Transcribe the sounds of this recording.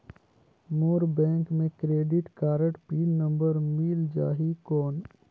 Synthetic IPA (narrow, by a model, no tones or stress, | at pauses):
moːɾbɛ̃ːŋkmẽkɾeːɖɪʈkaːɾəʈpiːnə̃mbəɾmiːld͡ʒaːɦikɔːn